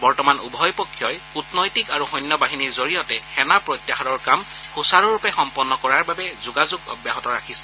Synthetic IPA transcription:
bɔɹtɔmanubʱɔjpɔkʰːjɔjutnɔjtikaɹuxɔjnːɔbaɦiniɹzoɹijɔtɛxɛnapɹɔjtːjaɦadɔɹkamxusaɹɔɹupɛxɔmpɔnːɔkɔɹaɹbabɛzuɡazuɡɔ̰bjaɦɔtɔɹakʰisɛ̥

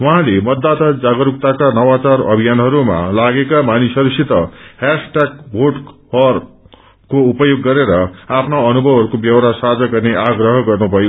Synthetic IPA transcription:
wʌɦãlemʌd̪ːat̪ad͡zaɡʌɾuk̚t̪akanʌwat͡sarʌ̰bʱijanɦʌɾuma̰laɡekamanisʌɾisit̪ʌhasʈaɡ̚bʱoɖhʌr | koupʌjoɡːʌɾeɾʌapʰnaʌnubʱʌbɦʌɾukobjʌwɾasad͡zʌɡʌrneʔaɡrʌɦʌɡʌrnubʱʌjo

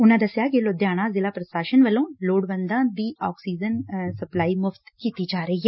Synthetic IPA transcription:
ʊnãːd̪əsjaːkɪlod̪jaːɽ̃ãːzɪlaːpɾəsaːʃənʋəlõːloːɽʋənd̪ãːd̪iːɔːksiːd͡ʒənsəplaːiːmʊfʰt̪kiːt̪iːd͡ʒaːɾəiːɦɛː

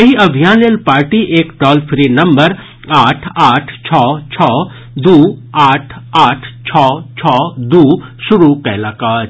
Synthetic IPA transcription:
jɐɦiɐbʱijaːnelpaːɾʈiʔeːkʈɔːlpʰɾinɐmbəɾ | aːʈʰaːʈʰt͡ʃʰɔːt͡ʃʰɔː | d̪uːaːʈʰaːʈʰt͡ʃʰɔːt͡ʃʰɔːd̪uːsʊɾukɛlɐkaː

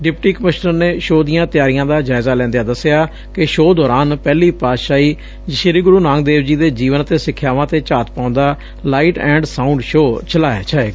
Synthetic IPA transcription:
ɖɪpʈiːkəmɪʃnəɾneːʃoːd̪ijãːt̪ɪjaːɾijãːd̪aːd͡ʒaːɪzaːlɛ̃ːnd̪ejaːd̪əsejaː | kɪʃoːd̪ɔːɾaːnpɛːliːpaːʃaːiː | ʃɪɾiːɡʊɾuːnãːŋɡd̪eːʋd͡ʒiːd̪eːd͡ʒiːʋənt̪eːsɪkʰːjaːʋãːt̪eːt͡ʃaːt̪pãːʊ̃nd̪aː | laːiːʈɛ̃ːɳɖsãːʊɳɖʃoːt͡ʃəlaːja̰ːt͡ʃaːeː

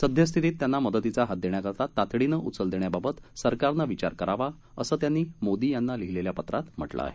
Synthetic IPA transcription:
səd̪ʱjəs̬t̪ʰit̪iːt̪ːjanːaməd̪ət̪it͡saɦat̪̚d̪eɳjakəɾt̪at̪ːat̪ɽinəʔut͡səld̪eɳjababət̪səɾkaɾnaʋit͡ɕaɾkəɾaʋa | əsəːt̪janːiːmod̪iːjanːaliɦileljapət̪ɾat̪m̤ə̰ʈla̰a̰ɦe

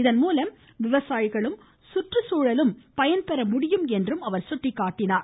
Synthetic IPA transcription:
ɪðɐnmuːlɐm | ʋɪʋɐsaːjɪɣɐɭɯm | sʊʈrɯsuːɻɐlɯmpɐjɐnpɐɾɐmʊɽɪjɯmɛndrɯmɐʋɐɾsʊʈrɪkːaːʈːɪnaːɾ

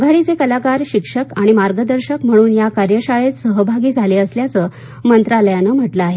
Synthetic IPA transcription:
ɡʱaɭiːt͡sekəlakaɾɕikʂəkaɽ̃imaɾɡəd̪əɾɕəkm̤əɽ̃uːnjakaɾjəɕaɭet̪səɦəbʱaɡiːd͡zʱaleːəsljat͡səː | mənt̪ɾaləjanəm̤əʈləaɦe

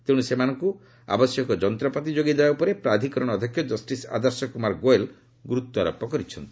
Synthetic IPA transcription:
t̪eũusemanɔŋku | a̰bɔsjɔkɔd͡ʒɔnt̪ɾɔpɔt̪id͡ʒoɡid̪ebaupɔɾepɾad̪ʱikɔɾɔɽ̃ɔd̪ʱjɔkʰjɔd͡ʒɔsʈisa̰d̪ɔɾsɔkumaɾɡoel | ɡuɾut̪ːaɾɔ̰pːɔkɔɾit͡ʃʰɔnt̪i̥

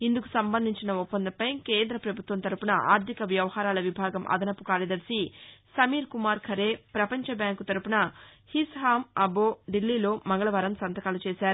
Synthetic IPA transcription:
ind̪uku̥sɐmbɐnd̪ʱiɲt͡ʃinɐupːɐnd̪ɐpɐjkeːnd̪ɾɐpɾɐbʱut̪ʋɐnt̪ɐɾupunɐʔa̰ːɾt̪ʰikɐʋjɐʋɐhaːɾaːlɐʋibʱaːɡɐmʔɐ̰d̪ɐnɐpːukaːɾjɐd̪ɐɾsisɐmiːɾkumaːɾkʰɐɾe̞ːpɾɐpɐɲt͡ʃɐbjaːŋkut̪ɐɾupunɐ | hisɦaːmɐboːɖilːiːlo̞ːmɐŋɡɐɭɐʋɐːɾɐmsɐnt̪ɐkaːlut͡ʃeːsaːɾu

